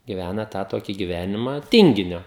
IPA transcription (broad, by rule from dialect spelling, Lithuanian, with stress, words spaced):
ɡʲɪˈʋʲænɐ ˈtɑː ˈtoːkʲɪ ɡʲɪˈʋʲæːnʲɪmɑː ˈtʲɪŋʲɡʲɪnʲoː